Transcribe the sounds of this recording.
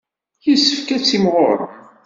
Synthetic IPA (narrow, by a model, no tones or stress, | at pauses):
jisə̥fkæt͡sːimʁo̰ɾ